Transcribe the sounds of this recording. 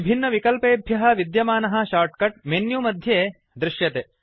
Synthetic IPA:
ibʱinːɐʋikɐlpeːbʱjɐɦɐ̆ʋid̪jɐmaːnɐɦɐ̆ʃaːɾʈkɐʈ̚menjumɐd̪ʱjeː | d̪ɾɪʃjɐt̪e

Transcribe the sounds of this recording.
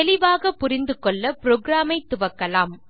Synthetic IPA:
ɛlɪʋaːɣɐpːʊɾɪnd̪ɯkɔɭːɐpɪɾoːɡɾaːmɐɪt̪ːʊʋɐkːɐlaːm

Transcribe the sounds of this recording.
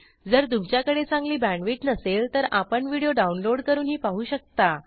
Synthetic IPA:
d͡zəɾt̪umt͡ɕjakəɽet͡sãŋɡliːbæ̃ɳɖʋiːʈnəselt̪əɾapəɳʋiɽijoɖaunloɽkəɾuːnɦiːpaɦuːɕək̚t̪a

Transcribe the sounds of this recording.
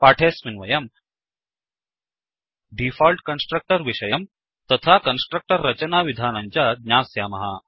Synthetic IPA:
paːʈʰeːsminʋɐjɐm | ɖifalʈkɐnsʈɾɐk̚ʈɐɾʋiʃɐjɐm | t̪ɐt̪ʰakɐnsʈɾɐk̚ʈɐɾːɐt͡ɕɐnaːʋid̪ʱaːnɐɲt͡ɕad̪ɲʲaːsjaːmɐɦa

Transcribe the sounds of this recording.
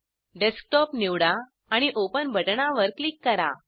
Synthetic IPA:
ɖesk̚ʈɔpniʋɽaː | ɽ̃iʔopənbʱəʈɳaʋəɾklikːəɾa̰

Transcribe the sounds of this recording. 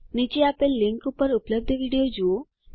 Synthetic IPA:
nit͡ʃeaːpelɪ̃ŋkʊpːəɾʊpləb̚d̪eʋiɖijod͡ʒoo

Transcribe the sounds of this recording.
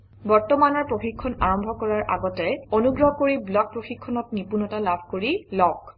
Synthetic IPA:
bɔɹtɔmanɔɹpɹoxikʰːɔnaɹɔmbʱɔkɔɹaɹʔa̰ɡɔtɛonuɡɹɔɦkoɹiblɔk̚pɹoxikʰːɔnɔtnipunɔtalabʱkoɹilɔk

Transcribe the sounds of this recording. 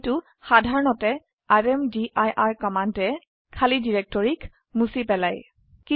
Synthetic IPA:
tʊ | xadʱaɹɔnɔtɛ | aɹɛmdiʔajʔaɹkɔmantɛ | kʰalidiɹɛk̚tɔɹik | musipɛlaj | ki

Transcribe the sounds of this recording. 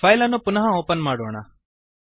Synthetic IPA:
ajlanũpʊnɐɦãoːpənmaːɽoːɳ̃aː

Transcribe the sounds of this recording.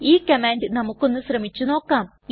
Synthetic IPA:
iːkɐmaːnɖɨnɐmukːo̞nːuɕrɐmit͡ɕːuno̞ːkːaːm | j

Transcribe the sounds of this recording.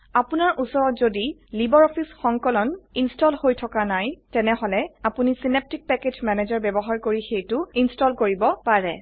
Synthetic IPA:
apunaɹʔusɔɹɔtzodilibɔɹɔpʰisxɔŋkɔlɔninstɔlhojtʰɔkanajtɛnɛhɔlɛapunisinep̚tik̚pɛked͡ʒmɛnezɔɹbɛbɔɦaɹkoɹixejtʊinstɔlkoɹibɔpaɹɛ

